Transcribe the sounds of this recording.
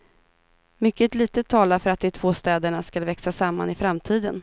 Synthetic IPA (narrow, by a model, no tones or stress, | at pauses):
mʏkːət̪liːt̪ət̪ʰːɑːlaɾfœɾat̪̚d̪ɛt̪ʰvoːst̪ɛːd̪əɳaskalvɛksasamːa̰nɪfɾamt̪ʰiːd̪ən